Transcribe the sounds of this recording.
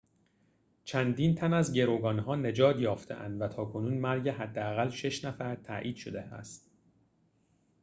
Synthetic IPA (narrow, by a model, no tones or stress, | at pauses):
t͡ʃʰænd̪iːnt̪ʰænæzɟe̞ɾoːɡɒːnɦɒːne̞d͡ʒɒːt̪jɒːft̪ʰḛʔæ̰nd̪væt̪ʰɒːkʰo̞nuːnmæɾɟeɦæd̪ːeæɣælʃe̞ʃnæfæɾt̪ʰæ̰ʔiːd̪̥ʃo̞d̪eæ̰st̪